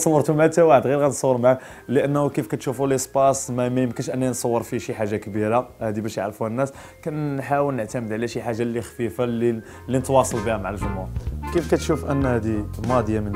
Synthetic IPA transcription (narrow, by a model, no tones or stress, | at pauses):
sˤɑwːəɾt̪umʕat̪æwaħəd̪ɣiɾɣænsˤɑwːəɾmaʕa | ləʔənːukəfkæt̪ʃufuləspɑsˤmæmæjəmkənʃʔənːinsˤɑwːəɾˤfiʃiħaʒːakbiɾahæd̪ibæʃja̰ʕɾfuhænːæs | kænħawəlnəʕt̪æməd̪ʕlæʃiħaʒːalːixfifali | lːinət̪wɑsˤɑlbihæmaʕalʒʊmhuɾkifkæt̪ʃufʔənːhæd̪imɑd̪jamən